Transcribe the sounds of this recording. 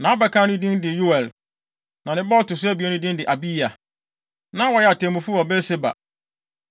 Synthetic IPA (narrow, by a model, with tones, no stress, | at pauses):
nã˨˦bɛ˨kʰã˦nʊ̃˦dĩ˦ndɪ˨ju˦ɛ˨l | nã˨nɪ̃˦bɔ˦ltʊ˨s̬ʊ˦æ˦bi˨ɛ˦nʊ̃˦dĩ˦ndɪ˨ʔa˨bi˦a˨ | nã˨˦wɔ˨jɛ˦a˨tʰẽ˨mũ˨fu˦ɔ˨bɛ˦sɪ˦ba̰˨